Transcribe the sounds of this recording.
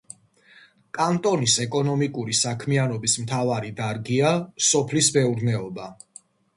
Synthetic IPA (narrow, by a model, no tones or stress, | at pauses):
kʼant̪ʼɔnisɛkʼɔnɔmikʼuɾisakʰmianɔbismt̪ʰavaɾid̪aɾɡiasɔpʰlisbɛuɾnɛɔba